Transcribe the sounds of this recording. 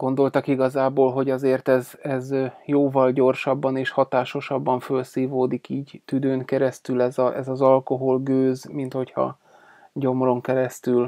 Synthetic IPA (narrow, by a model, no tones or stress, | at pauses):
ɡ̥o̞nd̪o̞lt̪ɒkiɡɒzaːboːlɦo̞ɟɒzeːrt̪ɛzɛzjoːvɒlɟo̞rʃɒbːɒneːʃhɒt̪aːʃo̞ʃɒbːɒɱfølsiːvoːd̪ikiːɟt̪yd̪øːŋkɛɾɛst̪ylɛzɒʔɛzɒzɒlko̞ɦo̞lɡøːzmint̪ho̞chɒ̰ | ɟo̞mro̞ŋkɛɾɛst̪yl